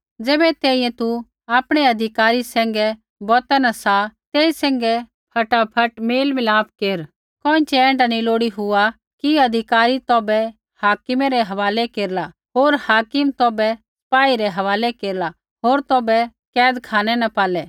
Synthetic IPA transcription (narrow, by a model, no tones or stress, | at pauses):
d͡zɛːbɛt̪ɛːĩːɛ̃t̪u | aːpɽ̃ɛɐd̪ʱɪkaːɾisɛ̃ːŋɡɛ | bɔːt̪ɛnasat̪eːisɛ̃ːŋɡɛ | pʰɐʈapʰɐʈmeːlmɪlaːp̚ʰkeːɾ | kɔ̃ːɪ̃t͡ʃɛɛ̃ːɳɖaniloːɽiɦʊa | kiɐd̪ʱɪkaːɾit̪ɔːbɛ | haːkɪmɛɾɛɦɐʋaːlɛkeːɾla | ɦoːɾhaːkɪmt̪ɔːbɛsɐ̥paːiɾɛɦɐʋaːlɛkeːɾla | ɦoːɾt̪ɔːbɛ | kɛːd̪kʰaːɽ̃ɛnɐpaːlɛː